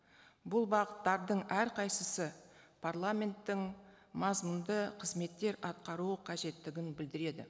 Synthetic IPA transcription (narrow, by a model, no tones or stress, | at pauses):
bʊlˠbɑqət̪ːɑɾd̪əɴæɾqʰɑjsəsəpʰarlˠamʲe̞nt̪ːɪŋ | mɑzmənd̪əqʰəzme̞t̪ːe̞ɾɑt̪̚qɑɾuəqʰɑʒe̞t̪ːɪɡʲɪnbɪld̪ɪɾe̞d̪ɪ̰